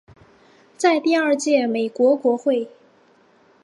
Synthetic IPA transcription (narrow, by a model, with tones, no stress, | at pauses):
t͡sa˥˧ɪt̪i˥˧ɐ˞˥˧t͡ɕjɛ˥˩me˨˩ɪkwɔ˧˥kwɔ˧˥xwe˥˩ɪ